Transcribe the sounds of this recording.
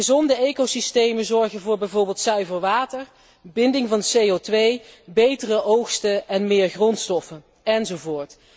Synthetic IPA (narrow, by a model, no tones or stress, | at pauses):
əzɔndəejkosistejmənzɔɹɣənvʊːɹbɛjvʊːɹbɪːlˠtsœɥvəɹʋaːtəɹ | bɪndɪŋvɑnsejotʋejbejtərəowxstəɛnmɪːɹχrɔntstɔfən | ɛnzovʊːɹt